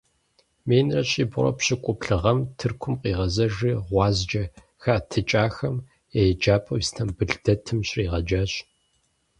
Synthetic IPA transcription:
meːnrɐɕiːbʊrɐ̰pɕɪkʷʼʊpɬɨʁɐmtʰɨrkʷʰʊmqʼiːʁɐzɐʒɨʁʷɑːzd͡ʒɐ | xatʰɨt͡ʃʼaːxɐm | ejd͡ʒaːpʼɐwstʰɐmbɨɮdɐtʰɨmɕʼriːʁɐd͡ʒaːɕʼ

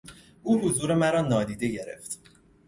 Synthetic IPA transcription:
ʔuːɦozuːɾe̞mæɾɒːnɒːd̪iːd̪e̞ɟe̞ɾḛft̪

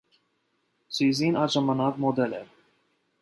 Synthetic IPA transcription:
t͡sʰizinɑʒɑmɑnɑkmɔd̪ɛlɛ̰ɾ

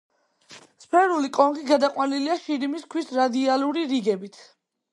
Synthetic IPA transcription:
spʰɛɾulikʼɔŋɡiɡad̪aqʼwaniliaʃiɾimiskʰwisɾad̪ialˠuɾiɾiɡɛbit̪ʰ

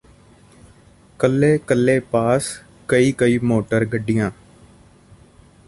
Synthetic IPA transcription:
kəlːeːkəlːeːpaːs | kəiːkəiːmoːʈəɾɡəɖɪjãː

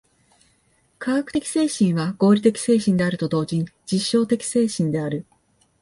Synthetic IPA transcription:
kʰaɡakɯ̟̥t̪ekʲi̥se̞ːɕĩɰ̃βaɡo̞ːɾʲit̪e̞kʲi̥se̞ːɕĩnd̪e̞aɾɯ̟t̪o̞d̪o̞ːʑĩɲ̟d͡ʑiɕːo̞ːt̪e̞kʲi̥se̞ːɕĩnd̪e̞aɾɯ̟

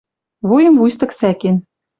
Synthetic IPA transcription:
βujɤ̆mvujs̬t̪ɤ̆ksæken

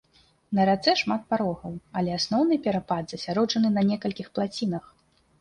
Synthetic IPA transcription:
nɐɾat̪sɛʂmat̪̚paɾɔɣɐwɐlʲɛasnɔwnɨpʲɛɾapad̪zɐsʲaɾɔt͡ʂɐnɨnɐnʲɛkɐlʲkʲixplˠat͡sʲinɐx

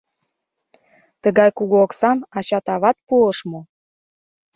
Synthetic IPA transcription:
t̪əɣɑjkuɣuoksɑmɑɕɑt̪ɑβɑt̪̚puəʃmo

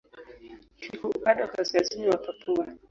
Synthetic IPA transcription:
tʰikɔukaɗakaskaziniwapapua

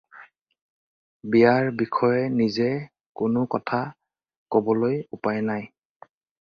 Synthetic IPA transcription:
bijaɹbikʰɔjɛnizɛ | kʊnʊkɔtʰa | kɔbɔlojupajnaj

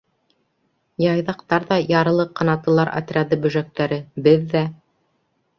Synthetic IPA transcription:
jɑjðɑq̚t̪ɑɾðɑjɑɾɤ̆lˠɤqːɑnɑt̪ɤ̆lˠɑɾʔa̰t̪rʲad̪ɤbɵ̆ʒæk̚t̪æɾɘbɘðːæ

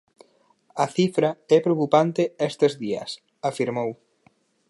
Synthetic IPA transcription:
ɐθifɾɐɛpɾeokupant̪eɛst̪ezðiɐ̰s | afiɾmow

